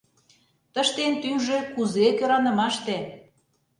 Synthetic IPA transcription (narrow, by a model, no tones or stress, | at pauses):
t̪əʃt̪ent̪ymʒekuzekøɾɑnə̆mɑʃt̪e